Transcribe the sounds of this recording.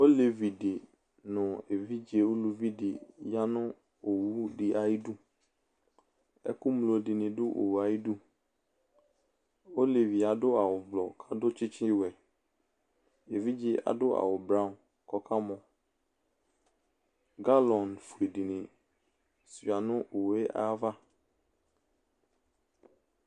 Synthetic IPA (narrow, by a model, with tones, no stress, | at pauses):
o˦le˨vi˨dɪ˨ | nʊ̃˨e˨vi˦d͡ʒe˨o˦lu˨vi˦dɪ˨ja˦nʊ̃˦ | o˨wu˦dɪ˨ʔa˨ji˦du˦ | ɛ̰˦kʊ˦mlo˨dɪ˨nɪ̃˨dʊ˦ʔo̰˨wu˨a˨ji˦du˦ | o˦le˨vi˨a˨dʊ˦a˨wʊ˨vlɔ˨kʰa˦dʊ˦t͡ʃʰɪ˦t͡ɕʰɪ˦wɛ˨ | e˨vi˦d͡ʑɪ˦a̰˨dʊ˦ʔa̰˨wʊ˨bɾa˦˨n | kɔ˦kʰa˦mɔ̃˨ | ɡa˦lɔ˨nfu˨e˨di˨nɪ̃˨ | sɥa˨nʊ̃˦ʔo˨we˦ʔa̰˦va˦